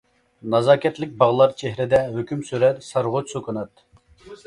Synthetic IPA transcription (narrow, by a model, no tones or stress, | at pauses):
nɑzɑːkʲʰɛt̪lɪk̚ʲbɑʁlˠɑɾt͡ʃʰeɦɾɪd̪ɛɦøkʲymsyɾɛt̪sɑɾʁʊt͡ʃsokʰunɑt̪